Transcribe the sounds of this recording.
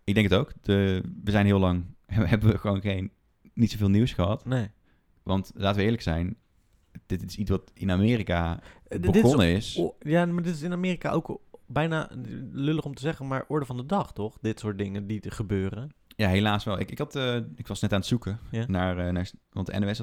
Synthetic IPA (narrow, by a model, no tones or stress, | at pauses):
ɪɡ̚dɛŋkətowkdəʋəzɛjnɦɪːlˠɑŋʔɛnʋəɦɛbəʋəχəʋoːnχejnː | itsovɪːlˠniwsxəɦɑtnej | ʋɑntlaːtəʋəɪːɹləksɛjn | d̥ɪtɪsitsʋɑtɪnamɪːrikabəɔnəɪsjamadɪtɪsɪnamɪːrikaʔo̰wkbɛjna̰løləχɔmtəzɛχənmaːɹʔɔɹdəvɑndədɑχtɔχdɪtsʊːɹt̚dɪŋədiχəbøːrəjaːɦelaːsʋɛlˠɪkɪkɦɑtəɪkʋɑsnɛtaːnətsukəjnaːɹnaːɹʋɑ̰ntdəɛ̰noɛs